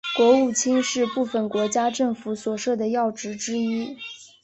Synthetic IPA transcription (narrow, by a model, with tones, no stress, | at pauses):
kwɔ˧˥u˥˩t͡ɕʰi˥ŋʂɻ̩˥˧pu˥˩fə˨˩nkwɔ˧˥t͡ɕja˥ʈ͡ʂɤ˥˩ŋfu˧˥swɔ˨˩ʂɤ˥˩d̪ə˩jɑ˥˩ʊʈ͡ʂɻ̩˧˥ʈ͡ʂɻ̩˥i˥